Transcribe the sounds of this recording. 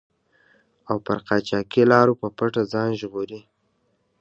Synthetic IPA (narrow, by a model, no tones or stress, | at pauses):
awpəɾqɑt͡ʃɑkilɑɾopəpaʈad͡zɑnʒɣoɾi